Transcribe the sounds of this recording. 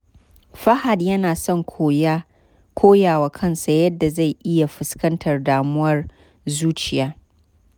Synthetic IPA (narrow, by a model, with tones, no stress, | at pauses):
ɸɐ˦ha˨djɐ˦naː˨sɔ˦ŋkʰoː˦j | kʷʰoː˦jaː˨waː˨kʰɐ˦nsa˨jɐ˦dːa˨za˦˨jʔɪ˦ja˨ɸɪ˨skɐ˦ntʰɐ˨rdaː˨mʊ˦wɐ˦r | zuː˦t͡ʃɪ˨jaː˦